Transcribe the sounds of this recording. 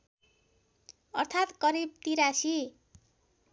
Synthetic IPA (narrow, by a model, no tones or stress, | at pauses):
ʌrt̪ʰat̪kʌɾib̚t̪iɾasi